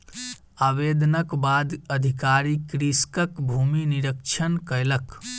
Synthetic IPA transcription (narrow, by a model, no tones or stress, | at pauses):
abed̪ənəkbad̪əd̪ʱikaɾikɾiskəkbʱuminiɾəkt͡ʃʰənkələk